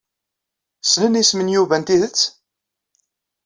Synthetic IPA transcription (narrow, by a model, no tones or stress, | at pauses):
snənismənjuvænt̪iðət͡sː